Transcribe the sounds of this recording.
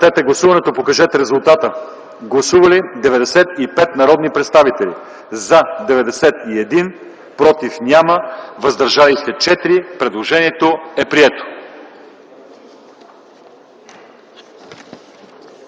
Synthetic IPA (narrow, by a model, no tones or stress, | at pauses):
t̪ɛt̪ɛɡlˠɐsuvɐnɛt̪opokɐʒɛt̪ɾɛzulˠt̪at̪ə | ɡlˠɐsuvɐlid̪ɛvɛd̪ɛsɛt̪ipɛt̪nɐɾɔd̪nipɾɛt̪st̪avit̪ɛlḭ | zɐd̪ɛvɛd̪ɛsɛt̪iɛd̪in | pɾɔt̪ifnʲaməvɐzd̪ɐɾʒalixt̪ɛt͡ʃɛt̪ɾipɾɛd̪lˠoʒɛniɛt̪oɛpɾiɛt̪o̥